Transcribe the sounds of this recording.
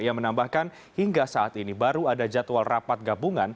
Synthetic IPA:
jamənambahkan | hiŋɡasaːt̪inibaɾuadad͡ʒat̪walrapat̪̚ɡabuŋan

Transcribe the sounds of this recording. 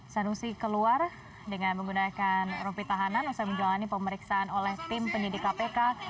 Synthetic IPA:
sanusikəluar | dəŋanməŋɡunakanrupit̪aɦananusaməɲd͡ʒalanipəməɾiksaːnolɛht̪ɪmpəɲidikːapeka

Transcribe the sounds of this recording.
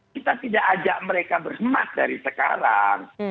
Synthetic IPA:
kit̪at̪idaʔːd͡ʒaʔməɾekabərhəmat̪̚daɾisəka̰ɾa̰ŋ

